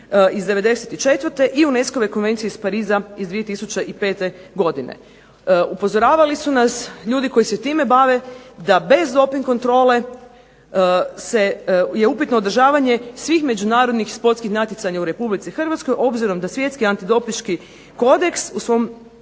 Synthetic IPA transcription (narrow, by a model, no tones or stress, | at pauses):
izd̪e̞ʋe̞d̪e̞set̪it͡ʃe̞t̪ʋəɾt̪e̞ʔiunesko̞ʋe̞ko̞nʋe̞nt̪sijeispaɾiːzaizd̪ʋije̞t̪isut͡ʃeʔipe̞ːt̪e̞ɡo̞d̪inḛ | upo̞zoɾaːʋalisunasʎuːd̪iko̞jiset̪iːme̞baʋe̞d̪abe̞zd̪o̞piŋko̞nt̪ɾo̞ːle̞ | se̞je̞upit̪no̞ːd̪r̩ʒaːʋaɲe̞sʋiːxme̞d͡ʒunaːɾo̞d̪nixspo̞t̪skixnat̪jet̪aɲauɾe̞publit̪sixr̩ʋat̪sko̞jʔo̞bziɾo̞md̪asʋje̞t̪skiant̪id̪o̞piʃki | ko̞d̪e̞ksusʋo̞m